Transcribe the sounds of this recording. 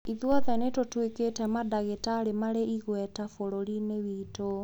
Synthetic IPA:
iðwɔðɛnetotweketɛmadaɣetaɾemaɾeiɣwɛtafoɾoɾinewito

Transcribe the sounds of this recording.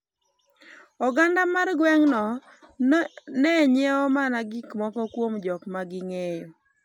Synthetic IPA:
ɔɡandamarɡwɛŋnɔ | nɛɲeɔmanaɡikmɔkɔkwomd͡ʒɔkmaɡɪŋejo

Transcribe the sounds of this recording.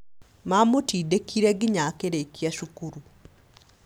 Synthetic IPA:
mamotiːdekʰiɾɛɡiɲakeɾekiaʃukuɾu

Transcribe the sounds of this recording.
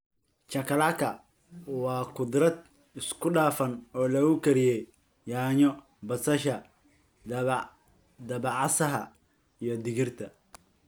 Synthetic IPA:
t͡ʃɐkʰɐlakʰɐ | wɑːkʰʊd̪ɾɐd̪̚ | ɪskʰʊɖaːfɐnɔːlɐɣʊkʰɐɾijɛj | jaːɲɔ | bɐsɐʃɐ | d̪ɐbɑʕɑsɐɦɐ̰ | ijɞd̪ɪɣɪrt̪ʰɐ

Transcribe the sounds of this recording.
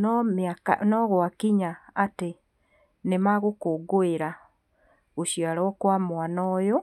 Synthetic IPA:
nɔmaka̰nɔɣwakiɲaate | nemaɣokoːɡoeɾa | oʃijalɔkwamwanɔːjo

